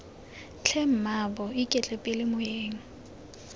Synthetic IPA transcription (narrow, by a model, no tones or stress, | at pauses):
t͡ɬʰem̩mabɔikʼɛt͡ɬʼɛpʼɪlɪmʊjeːŋ̩